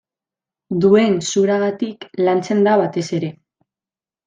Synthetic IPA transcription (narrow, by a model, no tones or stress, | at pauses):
d̪ue̞nsuɾaɣat̪iklant͡se̞nd̪aβat̪e̞se̞ɾe̞